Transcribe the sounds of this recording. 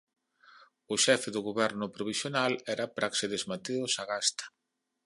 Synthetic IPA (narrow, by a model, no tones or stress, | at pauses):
ʊʃɛfɪðʊɣoβɛɾnʊpɾoβ̞isjonalɛɾapɾʔakseðezmat̪eosaɣast̪ḁ